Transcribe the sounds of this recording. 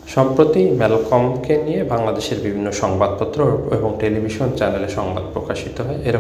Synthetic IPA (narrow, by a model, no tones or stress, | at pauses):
ʃɔmpɾot̪imɛlkomkenijebaŋlad̪eʃeɾbibʱinːoʃɔŋbad̪̚pɔt̪ːɾoeboŋʈelibʱiʃont͡ɕɛneleʃɔŋba̰d̪̚pɾokaʃit̪oɦɔeʔeɾ